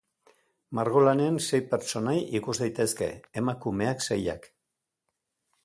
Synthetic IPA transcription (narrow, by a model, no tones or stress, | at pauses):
maɾɣo̞lane̞anse̞jpeɾt͡ʃo̞najikuzðajt̪e̞ske̞̰ːmakume̞akseja̰k